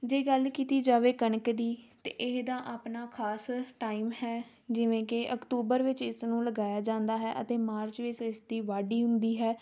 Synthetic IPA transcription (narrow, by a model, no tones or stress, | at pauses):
d͡ʒeːɡəlkiːt̪iːd͡ʒaːʋeːkəɳəkd̪iːt̪ḛːʔɪɦd̪aːʔaːpnaːkʰaːsʈaːiːmɦɛː | d͡ʒɪʋẽːkɪʔəkʈuːbəɾʋɪt͡ʃɪsnũːləɡaːjaːd͡ʒãːnd̪aːɦɛːʔət̪eːmaːɾt͡ʃʋɪt͡ʃɪsd̪iːʋaːɖiːɦʊ̃nd̪iːɦɛː